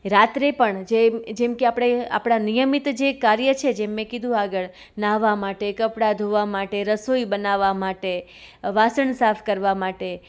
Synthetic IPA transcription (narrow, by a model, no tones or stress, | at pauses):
ɾat̪ɾepəɳd͡ʒed͡ʒemkeapɽ̃ea̰pɽ̃anijəmit̪d͡ʒekaɾjət͡ʃʰed͡ʒemẽkid̪ʱũaɡəɭ | naʋamaʈekəpɽad̪ʱoʋamaʈeɾəsoibənaʋamaʈeʋasəɳsafʰkəɾʋamaʈe